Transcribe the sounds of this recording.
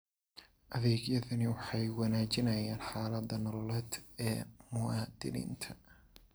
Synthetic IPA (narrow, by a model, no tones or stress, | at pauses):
ʔɐðɛːɡjɐðɐnɪwɑħɑjwɑnaːt͡ʃɪnɐjaːnħaːlɐd̪ɐnɔlɔlɛːd̪ɛːmʊwɑːd̪ɪ̰nḭːnt̪ʰɐ̥